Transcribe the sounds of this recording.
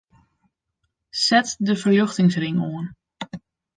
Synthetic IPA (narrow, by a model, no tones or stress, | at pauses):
sɛtdəfərjøxtɪŋsrɪŋoən